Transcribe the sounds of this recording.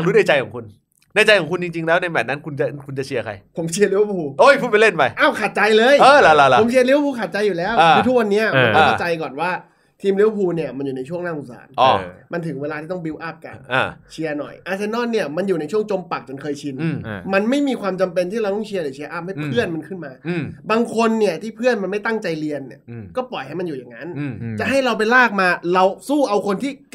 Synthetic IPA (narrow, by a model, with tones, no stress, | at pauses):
a˨˩ɾuː˦˥na˧˩jt͡ɕa˧jkʰɔː˨˩˦ku˧n | na˧˩jt͡ɕa˧jkʰɔ˨˩ŋkʰu˧nt͡ɕi˧ŋt͡ɕi˧ŋlɛː˦˥wna˧jbɛː˨˩p̚na˦˥nkʰu˧nt͡ɕa˨˩kʰu˧nt͡ɕa˨˩t͡ɕʰi˧ɐkʰa̰˧jpʰo˩˦mt͡ɕʰi˧ɐli˦˥wpʰuː˧ʔo˧˥˩jpʰuː˥˩pe˧le˥˩npa˧jʔaː˧˩wkʰa˨˩t̪̚t͡ɕa˧jlɤː˧jɤː˧˩la˦˧˥la˧˥lmt͡ɕʰi˧ɐli˦˥wpʰuː˧kʰa˨˩t̪̚t͡ɕa˧jːuː˨˩lɛː˦˥wa˧ɯ˧t̪ʰu˦˥k̚wa˧nːi˦˥ɐʔʰo̰˨˩˦t̪ːka˥˩t͡ɕa˧jkɔː˨˩nwaː˥˩ | t̪ʰiː˧mli˦˥wpʰuː˧ni˥˩ɐma˧njuː˨˩na˧jt͡ɕʰu˥˩əŋnaː˥˩˨ʔu˨˩sa̰ː˩˦nʔɔ̰ː˧˩ma˧nt̪ʰɯ˨˩˦ŋweː˧laː˧iː˥˩t̪ɔ˥˩bi˧˥wʔa˥˩p̚ka̰˨˩nnʔaː˧˩t͡ɕʰi˧ɐnɔ̰˨˩jʔaː˧t͡ɕʰa˧nɔː˥˩nːi˥˩ɐma˧njuː˨˩na˧jt͡ɕʰu˥˩əŋt͡ɕo˧mpa˨˩k̚t͡ɕa˨˩nkʰɤː˧jt͡ɕʰi˧nma˧nma˥˩jmiː˧kʰwaː˧mt͡ɕa˧mpe˧nt̪ʰiː˥˩ɾa˧wt̪ɔ˥˩t͡ɕʰi˧lɯː˨˦t͡ɕʰi˧ɐʔa˥˩p̚ha˥˩pʰɯ˥˩ənma˧nkʰɯ˥˩nmaː˧baː˧ŋkʰo˧nːi˥˩ɐt̪ʰiː˥˩pʰɯ˥˩ənma˧nma˥˩jt̪a˥˩ŋt͡ɕa˧jli˧ənːḭ˦˩ɐkɔː˥˩pɔ˨˩jɦa˥˩jma˧njuː˨˩ja˨˩ŋːa˦˥nt͡ɕa˨˩ʔɦa˥˩jɾa˧wp̬a˧jlaː˥˩k̚maː˧ɾa˧wsuː˥˩ʔa˧wkʰo˧nt̪ʰiː˥˩